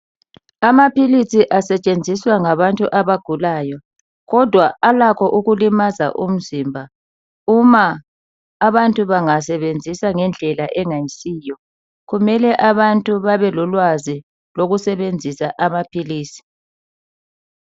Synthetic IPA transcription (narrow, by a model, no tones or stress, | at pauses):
amapʰilisiʔasɛt͡ʃʼend͡zʱiswaŋaβantʼuʔaβaɡ̥ʱulaːjɔ | ɣɔd̥ʱwaalakʰɔʔuɣulimaza̰ʔum̩zimbʱa | umaː | βantʼuβaŋasɛβend͡zʱisaŋɛnd͡ɮʱɛlaʔɛŋajisiːjɔ | ɣumɛlɛʔaβantʼuβaβɛlɔlwazi | loɣusɛβend͡zʱisaʔamapʰiliːsi̥